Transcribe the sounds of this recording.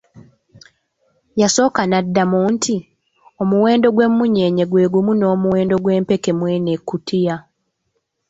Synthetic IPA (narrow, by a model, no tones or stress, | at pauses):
jaso̞ːkanadːamuːntʰi | o̞muwe̞ːndo̞ɡwe̞mːuɲe̞ːɲe̞ɡwe̞ːɡumuno̞ːmuwe̞ːndo̞ɡwe̞ːmpe̞ke̞mwe̞ːne̞kːutʰija